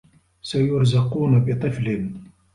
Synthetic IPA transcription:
sajʊɾzaquːnabɪt̪ˤɨflɪn

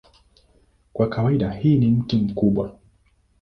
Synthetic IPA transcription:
kwakawaiɗahiːnim̩kim̩kuɓwa

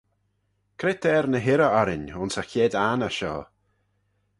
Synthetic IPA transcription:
kʰɾɪtɛɾnəɦɪɾəɔɾɪnʊnsaxeːdanaʃɔ̰ː

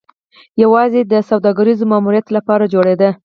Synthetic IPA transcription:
jawɑzed̪əsawd̪ɑɡaɾizomɑmuɾjat̪lapɑɾad͡ʒoɽed̪ə

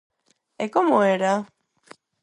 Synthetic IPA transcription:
ekomoeɾa

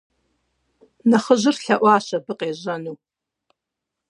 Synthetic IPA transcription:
naχəʒʷɨrɬaʔʷaːʃabɨqʼeʒanu

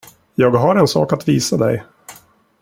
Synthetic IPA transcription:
jɑːɡɦaɾɛnsɑ̰ːkat̪viːsad̪ɛ̰j

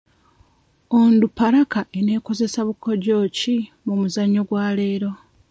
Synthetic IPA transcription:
ondupaɾakaʔe̞ne̞ːko̞ze̞saβukːo̞ɟo̞ːci | mumuzaɲːo̞ɡwaːle̞ːɾo̞

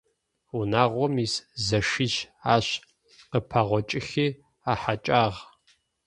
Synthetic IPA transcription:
unaːʁʷɔmiszɐʃiʃaːɕ | qəpʰaʁʷɔt͡ʃʼɪxiː | aːħat͡ʃʼaːʁ

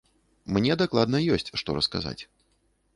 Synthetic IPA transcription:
mnʲɛd̪aklˠad̪nɐjɔsʲt͡sʲʂt̪ɔɾɐskaza̰t͡sʲ

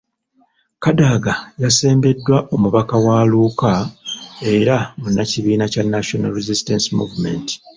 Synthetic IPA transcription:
kadaɡajase̞ːmbe̞dːwaʔo̞muβakawaːluːka | e̞ɾamunːaciβiːnacanːaʃona̰lɾezistensimṵvume̞̰nti̥

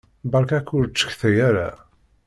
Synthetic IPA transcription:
bɑɾˤkækːʊɾt͡ʃːə̥çθæjaɾa̰

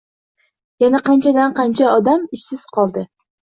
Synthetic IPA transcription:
janaqɑnt͡ʃʰad̪anqɑnt͡ʃʰaɒd̪amɪʃsɪz̥qʰɒlˠd̪ɪ

